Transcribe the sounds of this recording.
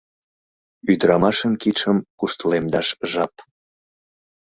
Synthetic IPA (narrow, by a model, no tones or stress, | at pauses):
yd̪ɾɑmɑʃənkit̪ʃəmkust̪əlemd̪ɑʃʒɑp